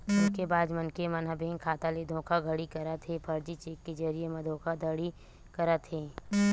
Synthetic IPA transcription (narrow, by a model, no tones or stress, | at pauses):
ʊskebaːd̪mɐnkemɐnɦəbẽːŋkʰaːt̪aled̪ʱõːkʰaɡʱɐɽikɐɾət̪ɦeːpʰɐɾd͡ʒit͡ʃeːkːed͡ʒɐɾiemɐ̃d̪ʱõːkʰad̪ʱəɽi | kɐɾət̪ɦẽː